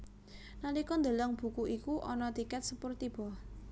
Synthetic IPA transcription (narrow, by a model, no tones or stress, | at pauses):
nalikɔnd̪ə̤lɔŋb̥ṳkuʔikuʔɔnɔt̪ikɛt̪̚səpʊrt̪ib̥ɔh